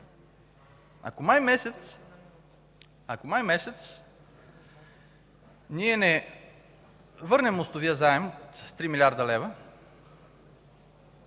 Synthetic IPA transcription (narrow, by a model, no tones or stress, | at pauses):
a̰komajmɛsɛt̪s | akomajmɛsɛt̪s | niɛnɛ | vɤɾnɛmost̪oviəzaɛmot̪ːɾimilʲaɾd̪ɐlɛvə